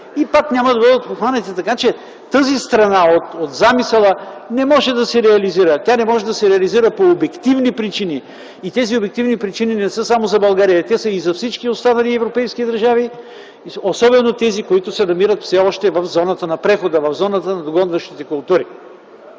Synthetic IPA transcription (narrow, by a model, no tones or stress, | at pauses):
ipaknʲaməd̪ɐɡɔd̪ət̪̚poxanɛt̪ɛt̪ɐkat͡ʃɛ | t̪əzist̪ɾɐnaot̪ot̪zamisɛlˠənɛmɔʒɛd̪ɐsɛɾɛɐliziɾət̪ʲanɛmɔʒɛd̪ɐsɛɾɛɐliziɾəpoːbɛkt̪ivnipɾit͡ʃiniː | t̪ɛziobɛk̚t̪ivnipɾit͡ʃininɛsɤsamozɐbɐlˠɡaɾijət̪ɛsəizɐfsit͡ʃkiost̪anɐliɛvɾopɛjskid̪ɐɾʒavi | osɔbɛnot̪ɛzikoit̪ʊsɛnɐmiɾət̪fsɛɔʃt̪ɛvɐfzɔnət̪ənɐpɾɛxod̪əvɐvzɔnət̪ənɐd̪oɡɔnvəʃt̪it̪ɛkʊlˠt̪uɾi